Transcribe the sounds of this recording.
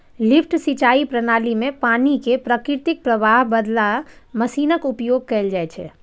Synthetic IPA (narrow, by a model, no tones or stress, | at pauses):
lipʰʈsit͡ʃaipɾənalimẽpaːnikepɾəkɾɪɾt̪ik̚pɾəbaɦbəd̪laməsiːnəkupjoːɡ̚kɛld͡ʒajt͡ʃʰɛ̰